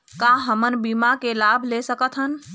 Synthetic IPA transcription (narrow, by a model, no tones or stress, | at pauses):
kaɦəmənbimakelaːbʱlesəkət̪ʰɦən